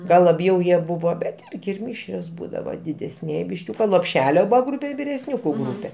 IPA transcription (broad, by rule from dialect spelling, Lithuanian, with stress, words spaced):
ˈɡɐlˠ lˠɐˈbʲjɛʊ ˈjiɛ ˈbʊʋoː bʲɛt ˈɪrʲɡʲɪ ɪr ˈmʲɪʃʲrʲoːs ˈbuːdɐʋɐ dʲɪdʲɛsʲˈnʲiɛj bʲɪʃʲˈkʲuːkɐ lˠoːpʲˈʃʲæːlʲoː ˈbuːʋɐ ˈɡruːpʲɛ ɪr ʋʲɪrʲɛsʲˈnʲuːkʊ ˈɡruːpʲɛ